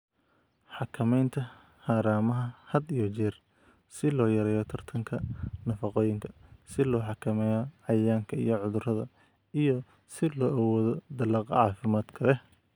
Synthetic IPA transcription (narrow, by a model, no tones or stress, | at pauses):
ħɑkʰɐmɛjnt̪ʰɐ | haːɾaːmɐɦɐhɐd̪ijɔt͡ʃɛːr | sɪlɔːjɐɾɛːjɔt̪ʰɐrt̪ʰɐŋkʰɐnɐfɑqɔːjɪŋkʰɐ̥sɪlɔːħɑkʰɐmɛːjɔʕɑjaːŋkʰɐḭjɔʕʊðʊrɐðɐ | ijɔ | sɪlɔːʔɐwɔːðɔd̪ɐlɑːqɑ̰ʕɑːfɪmaːd̪̥kʰɐlɛ